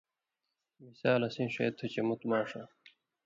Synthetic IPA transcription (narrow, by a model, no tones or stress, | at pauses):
misaːlɐsĩːɕɐ̰ːt̪ʰːut͡ɕɐmut̪maːʂa